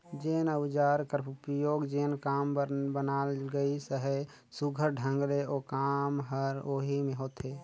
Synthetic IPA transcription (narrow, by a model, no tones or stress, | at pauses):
d͡ʒeːnəwd͡ʒaɾkəɾpəjoɡd͡ʒeːnkaːmbənalɡəisəɦə | suɡʱəɾɖʱə̃ŋɡleʔokamɦəɾoɦimeɦot̪e